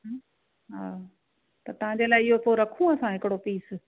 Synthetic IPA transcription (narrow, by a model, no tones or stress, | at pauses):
ɦaː | t̪ɐt̪ɐʋ̤ãɲd͡ʑeːlaːɪɪɦopoɾɐkʰũɐsãɦɪkɪɽopiːs